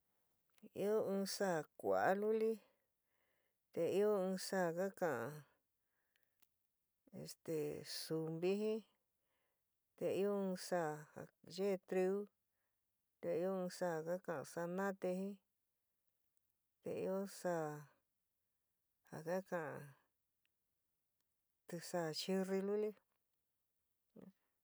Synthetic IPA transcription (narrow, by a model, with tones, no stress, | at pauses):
ḭ˦o˦ɨ̃ː˧sa˦˨kʷa̰˨a˦lu˦li˦ | t̪e˧i˦o˦ɨ̃ː˧sa˦˨ka˦kã˨ʔã˧ | ḛ˨st̪e˨su˨mbi˦ɦĩ˦ | t̪e˧i˦o˦ɨ̃ː˧sa˦˨ha̰˨ʒe˦˧t̪ɾi˧u˦ | t̪e˧i˧˦õ˦˧sa˦˨ka˦kã˨ã˧sa˧nã˦t̪e˧hĩ˦ | t̪ḛ˧ḭ˧o˦saː˦˧˨ | ha˨ka˦kã˨ã˧ | t̪i˧sa˧˨t͡ʃi˧ri˧lu˦li˦˧